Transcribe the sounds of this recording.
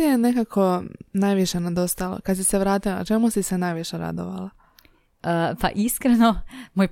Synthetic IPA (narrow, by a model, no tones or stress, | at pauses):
jenekakʰo̞najʋiʃenad̪o̞st̪alo̰kad̪s̬iseʋɾaːt̪ila̰t͡ʃe̞musisenajʋiʃeɾa̰d̪o̰ʋa̰la | pa̰ʔiskɾenomoj